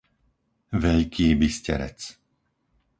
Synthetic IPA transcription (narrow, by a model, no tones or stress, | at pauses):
ʋɛʎkʰiːbiscɛ̰ɾɛ̰t͡s